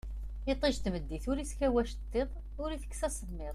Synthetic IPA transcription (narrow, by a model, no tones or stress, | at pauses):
it̪ˤːiʒt̪məd̪ːiθʊɾiskæwæʃt̪ˤːeðˤ | ʊɾiθə̥kːsæsəðˤmɪðˤ